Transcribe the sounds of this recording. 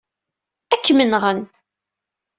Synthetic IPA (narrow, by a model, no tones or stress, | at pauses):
ækːmənʁən